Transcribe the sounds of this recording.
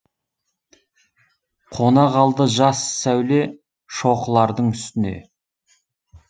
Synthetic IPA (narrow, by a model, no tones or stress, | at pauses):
qʰo̞nɑʁɑlˠd̪əʒɑsːæwle̞ | ʃo̞qəlˠɑɾd̪əɴʏst̪ɪne̞̰